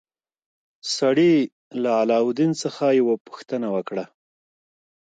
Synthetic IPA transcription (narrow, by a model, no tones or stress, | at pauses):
saɽi | laalɑʊd̪int͡səxajawapu̥xt̪ənawəkɽa